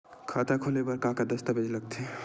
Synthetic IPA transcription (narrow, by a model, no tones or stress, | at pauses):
kʰaːt̪akʰolebɐɾkaːkad̪ɐst̪abed͡ʒlɐɡ̚t̪ʰe